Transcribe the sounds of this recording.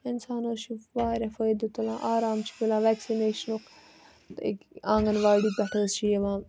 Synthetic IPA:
ɪnsaːnoːʃiʋaːɾɐfəjd̪ut̪ɐlãːʔaːɾaːmt͡ʃʰi̥pilãːʋɛːksineːʃɐnok̪ | ḛkãːŋɡɐnʋaːɽiːbɐʈʰəːst͡ʃʰieʋãː

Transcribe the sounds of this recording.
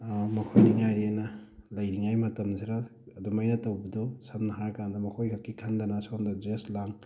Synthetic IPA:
mɐkʰojniŋajɾenɐlɐjɾiŋajmɐtɐmziɾaɐdumajnɐtawbɐdɔsamnɐɦaɾkand̪ɐmɐkʰojkʰakːikʰand̪anasmdad͡ʒeslaŋ

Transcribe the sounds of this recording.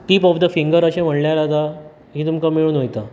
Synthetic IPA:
ʈiːpɔfd̪əfĩŋɡəɾəɕẽm̤əɽljaɾad̪a | ɦiːt̪umkamːiɭuːnɦojt̪a

